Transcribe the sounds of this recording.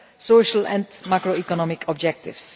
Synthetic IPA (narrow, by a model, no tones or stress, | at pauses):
soːʃəlɛ̰̃ntmakɹoikɔnɔmɪkʰɔb̚d͡ʒɛk̚tɪ̰fs